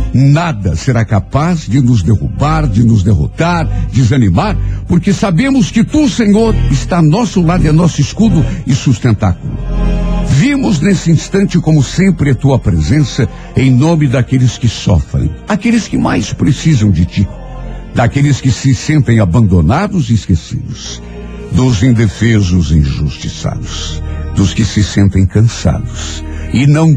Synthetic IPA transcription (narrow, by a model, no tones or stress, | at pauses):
nad̪ɐseɾakapazd͡ʒɪnʊzd̪ehṵbaɾd͡ʒɪnʊzd̪eɦo̰t̪aɾd͡ʒɪzɐnimaɾpoɾkesabẽmʊskɪt̪useɲoɾɪst̪anɔsʊlad̪ʊɛnɔsʊɪskud̪ʊɪsust̪ẽnt̪akulʊ̰ | vimʊznesɪĩst̪ɐ̃nt͡ʃɪkõmʊsẽmpɾɪɐt̪uɐpɾezẽsɐ | ẽj̃nõmɪd̪akelɪskɪsɔ̰fɾḛ̃j̃akelɪskɪmajspɾesizɐ̃w̃d͡ʒɪt͡ʃ̪ɪ | d̪akelɪskɪsɪsẽnt̪ẽj̃abɐ̃nd̪onad̪ʊzɪɪskesḭd̪ʊz̥ | d̪ʊzẽd̪efezʊzĩʒust͡ʃisa̰d̪ʊsd̪ʊskɪsɪsẽnt̪ẽj̃kɐ̃sa̰d̪ʊsɪnɐ̃w̃